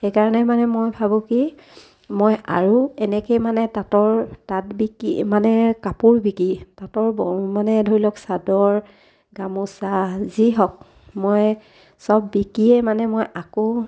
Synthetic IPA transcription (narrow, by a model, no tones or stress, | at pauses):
xejkaɹɔnɛmanɛmojbʱabʊ̃ki | moja̰ɹuɛnɛkejmanɛtatɔɹtatbikimanɛkapʊɹbikitatɔɹbɔmanɛdʱoɹilɔksadɔɹ | ɡamusaziɦɔk̚ | moj | sɔbːikiɛmanɛmojako